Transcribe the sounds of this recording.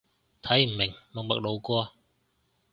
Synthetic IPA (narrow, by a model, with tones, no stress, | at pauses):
t̪ʰɐ˨˥jm̩˨˩mɪ˨˩ŋlʊ˨˩ŋmɐ̰˨k̚lo˨˧wkɔː˧